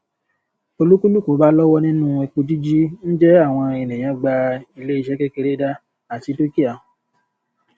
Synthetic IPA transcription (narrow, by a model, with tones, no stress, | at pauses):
o˧lu˦ku˦lu˦ku˨˦ba˦lɔ˦wɔ˦nĩ˦nũ˦e˧ku˧d͡ʒi˦d͡ʒi˦n̩˦d͡ʒɛ˦a˦˨w̃ɔ̃˧e˨nẽ˨j̃ã˨˦ɡ͡ba˧i˧le˦i˦˧ʃɛ˦kɛ˦ke˧ɾe˦da˦ | a˨ti˨˦to˦ki˦a˨